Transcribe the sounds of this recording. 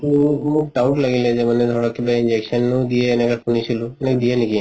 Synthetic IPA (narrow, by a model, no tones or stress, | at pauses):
muk̚ɖawʈlaɡiled͡ʒemaned̪ʱɔɾakebaind͡ʒekʃɔnːd̪ijeːnekakʰunit͡ʃʰilunekd̪ieniki